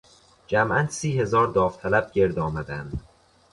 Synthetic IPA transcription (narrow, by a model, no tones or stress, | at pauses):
d͡ʒæmʔænd̪siːhe̞zɒːɾd̪ɒːft̪ʰælæb̚ɟe̞ɾd̪ɒːmæd̪ænd̪̥